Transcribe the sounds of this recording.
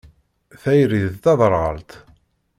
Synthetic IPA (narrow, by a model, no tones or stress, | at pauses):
θæjɾiððt̪ɑðˤəɾˤʁə̰lt̪